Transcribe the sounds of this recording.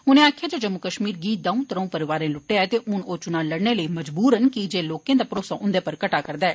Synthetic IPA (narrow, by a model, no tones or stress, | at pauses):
ʊnẽːaːkʰjaːd͡ʒeːd͡ʒəmːʊkəʃmiːɾɡiːt̪̚d̪ãːũːt̪əɾə̃ũːpəɾɪʋaːɾẽːlʊʈːeːɛːt̪eːʔʊnoːt͡ʃʊnãːləɽɳeːləiːməd͡ʒbuːɾɦənkɪd͡ʒeːloːkẽːd̪aːpɾoːsaːʔʊnd̪eːpəɾkəʈaːkəɾd̪aːɛː